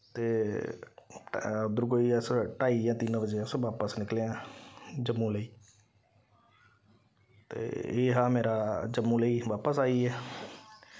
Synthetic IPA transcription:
t̪eː | d̪ʊɾɡoːiːɛsʈaːiːjãːt̪inbəd͡ʒeəsʋaːpəsnɪkleːãːd͡ʒəmːũːləiː | t̪ḛːeːɦãːmeːɾaːd͡ʒəmːũːləiːʋaːpəsaːiːɛː

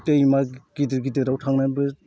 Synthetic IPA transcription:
tejmaɡ̥idiɾɡidɯɾawtʰaŋnajbɯ

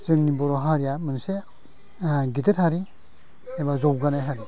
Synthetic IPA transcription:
zɯŋnibɔɾɔɦaɾjamɯnse | ɡidɯɾhaɾi | ebazɔwɡanajɦaɾi

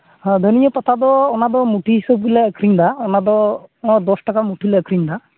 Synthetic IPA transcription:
ɦãd̪ʱənijɔpɔt̪ʰad̪ɔːnad̪ɔmuʈiɦisəb̚ɡulɛəkɾiɲd̪aɔnad̪ɔ̃d̪ɔsʈakamuʈʰileəkɾiɲd̪a

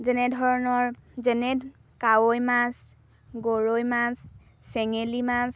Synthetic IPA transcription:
zɛnɛdʱɔɹɔnɔɹzɛnɛ | kawojmas | ɡoɹojmasː | ɛŋelimas

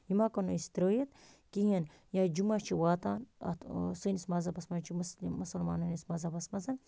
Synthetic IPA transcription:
jimakɐnuist̪iɾəːjɐt̪ | kijɐn | jad͡ʒumat͡ʃʰiwaːt̪aːnɐ̰t̪sɨnismɐzɐpɐsmant͡ʃʰimɐslmɐsɐlma̰ːnunismɐzɐpɐsmɐzɐn

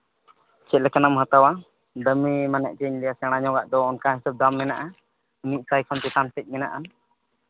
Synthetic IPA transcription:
t͡ʃɛt̪̚lɛkanamɦat̪awa | d̪əmimanɛ̰ʔ̚t͡ʃɛɲlɛjasɛɽ̃aɲɔ̃ɡaʔd̪ɔːnkaɦɛsab̚d̪amːɛnaʔa | iniʔsajkʰɔnt̪ɛt̪ansɛc̚ˀmɛna̰ʔan

